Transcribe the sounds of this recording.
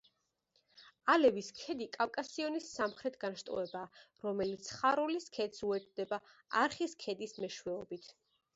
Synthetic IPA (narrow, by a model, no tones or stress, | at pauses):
alɛviskʰɛd̪ikʼafkʼasiɔnisːamχɾɛt̪ʰɡanʃt̪ʼɔ̰ɛbaːɾɔmɛlit̪sʰχaɾuliskʰɛt̪suɛt̪ʰd̪ɛbaaɾχiskʰɛd̪ismɛʃwɛɔbit̪ʰ